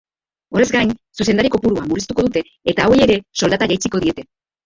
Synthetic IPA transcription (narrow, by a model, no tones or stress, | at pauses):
o̞ɾe̞zɡajnsusend̪aɾiko̞puɾuamuɾist̪uko̞ðut̪e̞ːt̪aːweje̞ɾe̞so̞ld̪at̪aʝajt͡siko̞ð̞ie̞t̪e̞